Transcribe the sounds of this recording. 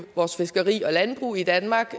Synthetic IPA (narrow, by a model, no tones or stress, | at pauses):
ʋɒːsfe̝sɡ̥ɐʁḭːɒ̽lænb̥ʁṵːid̥ænmɑ̈ːɡ̥